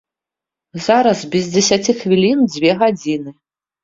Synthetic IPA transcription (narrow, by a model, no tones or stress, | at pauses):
zaɾɐzbʲizʲd͡zʲɛsʲat͡sʲixvʲilʲind͡zʲvʲɛɣad͡zʲinɨ